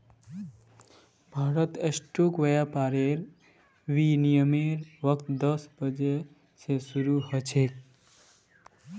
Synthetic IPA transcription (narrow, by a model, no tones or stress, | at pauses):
bʱaːɾət̪esʈoːkʋəjapaːɾeɾ | ʋinijəmeɾʋʌk̚t̪d̪əsbəd͡ʒe | sesuɾuhət͡ʃʰek̚